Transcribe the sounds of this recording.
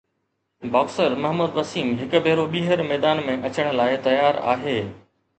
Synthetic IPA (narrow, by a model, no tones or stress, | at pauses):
baːksəɾmɐɦmuːd̪ʋɐsiːmɦɪkbʱeːɾoɓiːɦəɾmɛːd̪aːnmẽʔɐt͡ɕəɽ̃̆laːɪt̪ɐjaːɾa̰ːɦeː